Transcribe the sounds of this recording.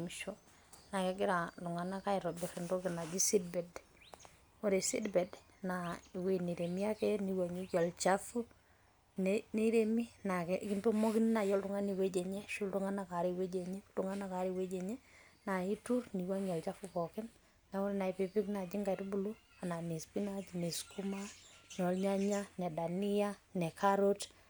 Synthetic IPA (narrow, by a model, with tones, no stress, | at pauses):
mi˨ʃo˦ | na˨kɛɡɪ˦ɾa˨lu˨ŋa˨na˦ka˦ɪ˨ɾɔ˨bɪ˨ɾi˨ndɔ˦kɪ˨na˨d͡ʒi˦si˦d̚bɛ˨d | o˦ɾe˨si˦dbɛ˨d | na˨we˦ni˨ɾe˨mi˦a˦kɛ˦ni˨wa˨ɲi˦jɔ˨lt͡ʃa˦fu˦ | nene˦ɾe˦mi˦na˨kɛki˦nto˦mɔ˦ki˦n˦na˨jɔ˦ltu˨ŋa˦ni˨we˦d͡ʒe˨ɲɛ˦ʃu˦ltu˦ŋa˦na˨ka˨ɾe˨we˦d͡ʒe˨ɲɛ˦ltu˦ŋa˦na˨ka˨ɾe˨we˦d͡ʒe˨ɲɛ˦na˨i˦turni˨wa˦ɲɔ˨lt͡ʃa˦fupɔ˨kɪ˦n | na˨o˦ɾe˨na˨i˨pi˨pi˦kna˨d͡ʒi˦ŋɡa˨tubu˨lu˦ | a˨na˨ne˨spi˦na˦d͡ʒne˨sku˦ma˦nɛ˨ɔ˨lɲa˦ɲa˦nɛ˨da˨ni˦a˦nɛ˨kʰaɾo˦t